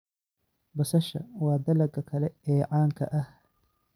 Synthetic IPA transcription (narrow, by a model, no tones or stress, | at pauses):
bɐsɐʃɐ̰wɑːd̪ɐlɐɡɐkʰɐlɛɛːʕɑːŋkʰɐ̰ʔɐh